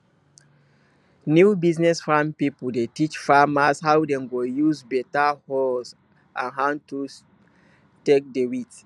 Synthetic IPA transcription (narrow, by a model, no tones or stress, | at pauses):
njubiznɛsfɹãmpipudetit͡ʃfamashawdɛ̃mɡojuzbɛtahɔs | ʔãnɦãntu | tek̚dewit